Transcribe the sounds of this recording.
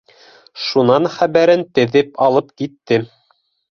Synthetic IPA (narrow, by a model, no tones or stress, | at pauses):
ʃunɑnχæβæɾɘnt̪ɘ̆ðɘpɑlˠɤpkit̪ːɘ